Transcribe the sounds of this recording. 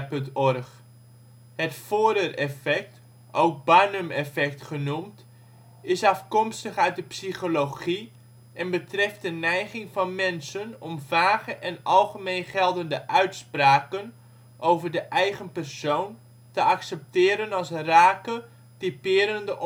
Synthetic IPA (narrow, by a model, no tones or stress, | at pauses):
pntɔrχ | hətfoːdərɛfɛk̚t | ʔowk̚baːnəmɛfɛktχənumt | ɪsɑfkɔmstəχœɥt̚dəpsiχoloχi | ɛnbətrɛft̚dənɛjχɪŋvɑnmɛnsənɔmvaːɣəʔɛnɑlˠχəmejnχɛlˠdəndəʔœɥtspraːkən | ʔowvərdəʔɛjɣənpɛrsown | təɑksəp̚tɪːɾənɑlˠsraːkə | tipɪːɾəndəʔ